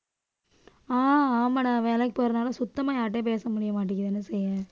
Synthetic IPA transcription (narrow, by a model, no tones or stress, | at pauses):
aːaːmaːnãːʋeːlɛkːɪpoːɾɐnaːlɐsʊt̪ːɐmaːjaːʈ̬ːep̬eːsɐmʊɽɪjɐmaːʈ̬ːɪkːɪðɛnːɐsɛjːɐ̃